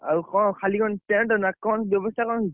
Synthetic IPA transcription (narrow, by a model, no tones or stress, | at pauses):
aɹukʰɔkʰalikʰɔntɛntɔnakɔnbjɔbɔstʰakʰɔn